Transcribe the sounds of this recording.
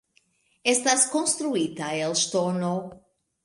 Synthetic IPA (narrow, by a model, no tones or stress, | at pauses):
ɛst̪ɐskõnst̪ɾuit̪ɐelʃt̪ono